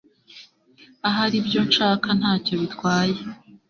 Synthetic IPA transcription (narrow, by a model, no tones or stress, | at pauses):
aɦaɾibjo̞nʃaːkʰan̥haːco̞βitkwaːje